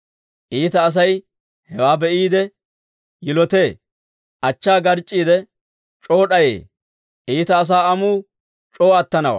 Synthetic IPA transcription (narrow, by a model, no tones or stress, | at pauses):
ʔiːt̪ɐːs̬ɐj | hɛwaːbɛʔiːd̪ɛ | jɪlɔt̪e̞ː | ʔɐt͡ʃːaːɡɐɾt͡ʃʼːiːd̪ɛ | t͡ʃʼo̞ːɗɐjḛː | ʔiːt̪ɐːs̬aːɐmuː | t͡ʃʼoːɐt̪ːɐnɐwɐ̰